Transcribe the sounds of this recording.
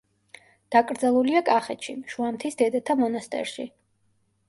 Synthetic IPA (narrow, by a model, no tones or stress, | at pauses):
d̪̥akʼɾd̪zɛlˠuliakʼaχɛt̪ʃḭʃuamt̪ʰisd̪ɛd̪at̪ʰamɔnast̪ʼɛ̰ɾʃḭ